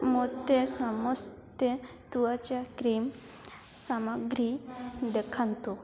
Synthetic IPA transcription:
mot̪esamɔst̪je | t̪uʋat͡ɕakɾim | samaɡɾid̪ekʰant̪u

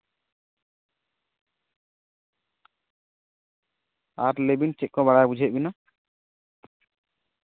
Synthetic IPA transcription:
aɾlebint͡ʃɛʔ̚kɔβaɽajbud͡ʒʱɛʔ̚bina

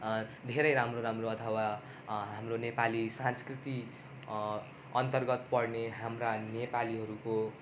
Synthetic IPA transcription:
d̪ʱeɾʌjɾamroɾamroʌt̪ʰʌwa | ɦamronepalisãnskrit̪i | ʌnt̪ʌrɡʌt̪pʌrneɦamranepaliɦʌɾuko

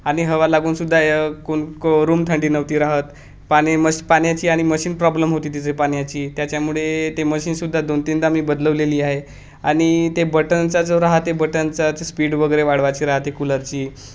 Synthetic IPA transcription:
aɽ̃iɦəʋalaɡuːnsud̪ʱːakoɳkoɾuːmt̪ʰəɳɖiːnəʋt̪iːɾaɦət̪ | paəpaɳjat͡ɕiːaɽ̃iməɕiːnpɾɔbləmɦot̪iːt̪it͡sepaɳjat͡ɕiːt̪jat͡ɕjamuɭet̪eməɕiːnsud̪ʱːad̪ont̪ind̪amiːbəd̪ləʋleliːaɦe | aɽ̃it̪ebəʈənt͡sad͡zoɾaɦat̪ebəʈənt͡sat͡sspiːɽʋəɡəɾeʋaɽ̤ʋat͡ɕiːɾaɦat̪ekuləɾt͡ɕiː

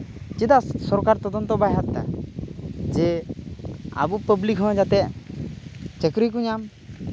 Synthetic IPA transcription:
t͡ʃid̪assɔɾkaɾt̪ɔd̪ɔnt̪ɔbajat̪ːa̰ | d͡ʒɛ | a̰bupəblikɦɔ̃d͡ʒat̪ɛʔ | t͡ʃəkɾik̬uɲam

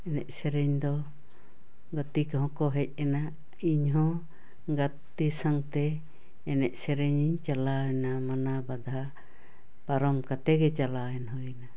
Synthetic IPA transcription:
ɛnɛʔsɛɾɛɲd̪ɔ | ɡat̪ikɦɔ̃kɔɦɛc̚ˀɛna | iɲɦɔ̃ | ɡat̪isaŋt̪ɛː | nɛʔsɛɾɛɲiɲt͡ʃalaɛnamanabad̪ʱa | paɾɔmkat̪ɛɡɛt͡ʃalaɛnɦɔjna

